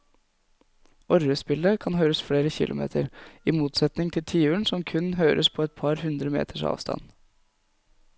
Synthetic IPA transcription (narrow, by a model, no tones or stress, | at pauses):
ɔɾəspɪləkʰɑnɦœːɾəsfɽeːɾəçɪ̰lʔʊmḛːt̪ʰəɾimuːt̪sɛt̪nɪŋt̪ʰɪlt̪ʰiːʉɳsɔmkʰʉnɦøːɾʔəspʰɔɛt̪̚pʰɑɾhʉnd̪ɾəmḛːt̪ʰəʂɑ̰ːʋst̪ʰɑ̰n